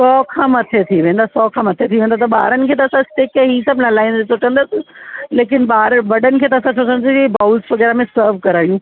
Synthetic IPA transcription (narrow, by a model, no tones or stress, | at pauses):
sɔːkʰãːmɐt̪ʰet̪ʰiʋẽːn̆d̪aːsɔːkʰãːmɐt̪ʰet̪ʰiʋẽːn̆d̪aːt̪ɐɓa̰ːɾənɪkʰeːt̪ɐsãɪsʈ̪eːkãɦĩːsɐbnɐlaːɦĩːnd̪esoʈə̃nd̪əsleːkɪnɓaːɾʋɐɗənɪ̆kʰeːt̪̬ɐːsãt͡ʃʰoːt͡ɕə̃nd̪ibaːʊlsʋɐɣɛːɾamẽsəɾʋkɐɾaːjũ